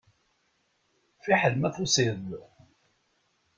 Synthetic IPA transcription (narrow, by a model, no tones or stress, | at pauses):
fiħəlmæθusið